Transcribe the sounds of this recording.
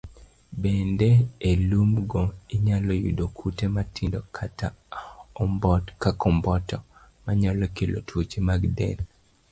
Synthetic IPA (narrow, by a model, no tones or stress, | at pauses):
bendeelumɡɔiɲalɔjṵdokʰutematʰindɔkʰata | bkakɔmbɔtɔmaɲalɔkelo̰tʰwot͡ʃimaɡdɛ̰n